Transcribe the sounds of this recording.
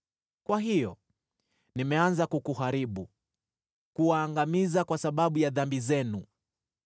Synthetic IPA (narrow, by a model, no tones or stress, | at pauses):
kwaɦijɔ̰ | nimɛanzakukuɦaɾiɓu | kuwaːŋɡamizakwasaɓaɓujaðambizɛnu